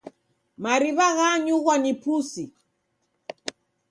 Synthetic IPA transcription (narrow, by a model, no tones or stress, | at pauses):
maɾiβaɣaɲuɣwaɲipusi